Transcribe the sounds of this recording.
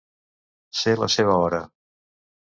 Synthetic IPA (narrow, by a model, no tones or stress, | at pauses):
selə̰seβ̞əɔɾə